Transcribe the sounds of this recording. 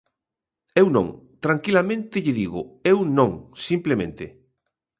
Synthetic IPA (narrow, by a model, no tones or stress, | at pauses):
ewnõ̰ŋt̪ɾaŋkilamẽnt̪ɪʎɪðiɣʊewnõŋsimplemḛ̃nt̪ɪ